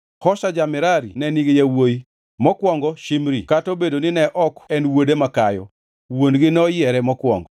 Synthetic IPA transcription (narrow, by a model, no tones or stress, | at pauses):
hɔsad͡ʒamɪɾaɾḭnɛniɡejawoji | mɔkwɔŋɡɔʃimɾikatobedonɪnɛʔɔkɛnwodemakajɔ̰ | wonɡɪnɔjɛɾɛmɔkwɔ̰ŋɡɔ